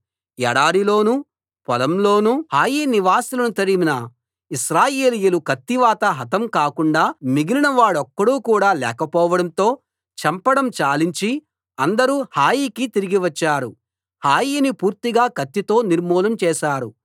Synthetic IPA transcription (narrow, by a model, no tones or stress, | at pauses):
ɛ̰ɽaːɾilo̞ːnu | pɔlɐmlo̞ːnuhaːjiːniʋaːsilɐnut̪ɐɾiminɐ | iʃɾaːjeːlijulukɐt̪ːiʋaːt̪ɐɦɐt̪ɐmkaːkuɳɖaːmiɡilinɐʋaːɽɔkːɐɽuːkuːɽaːlɛːkɐpɔːʋɐɽɐnt̪o̞ː | t͡ʃɐmpɐɽɐmt͡ʃaːliɲt͡ʃi | ɐnd̪ɐɾuːhaːjiːkit̪iɾiɡiʋɐt͡ʃːaːɾu | haːjiːnipuːɾt̪iɡaːkɐt̪ːit̪o̞ːniɾmuːlɐmt͡ʃɛːʃaːɾu